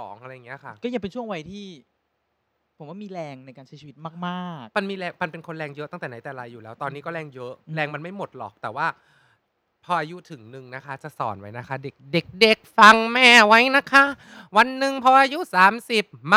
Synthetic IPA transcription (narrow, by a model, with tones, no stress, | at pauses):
ɔː˩˦ŋʔa˧ɾa˧jːa˨˩ŋː˩i˦˥ɐ˧˩kʰa˥˩kɔː˥˩ja˧˩ŋpe˧nt͡ɕʰu˥˩əŋwa˧jt̪ʰiː˥˩ | pʰo˩˦waː˥˩miː˧ɾɛː˧ŋna˧jkaː˧nt͡ɕʰa˦˥jt͡ɕʰiː˧wt̪̚maː˥˩k̚maː˥˩ma˧nmiː˧ɾɛː˧ŋma˧npe˧nkʰo˧nɾɛː˧ŋjɤ˦˥ʔ̪a˥˩ŋt̪ɛː˨˩na˩˦jt̪ɛː˨˩ɾa˧jːuː˨˩lɛː˦˥wt̪ɔː˧nːiː˦˥kɔː˥˩ɾɛː˧ŋjɤ˦˥ʔlɛː˧ŋma˧nma˥˩jmo˨˩t̪̚lɔ̰ː˨˩k̚t̪ɛː˨˩waː˥˩ | pʰɔː˧ʔaː˧ju˦˥t̪ʰɯ˨˩˦ŋnɯ˨˧ŋna˦˥kʰa˦˥t͡ɕa˨˩sɔ̰ː˩˦nwa˦jna˦˥kʰa˦˥de˨˩k̚de˨˩k̚de˨˩k̚fa˧ŋmɛː˥˩wa˦˥jna˦˥kʰa˦˥ | wa˧nːɯ˨ŋpʰɔː˧ʔaː˧ju˦˥saː˨˩˦msi˨˩p̚m˦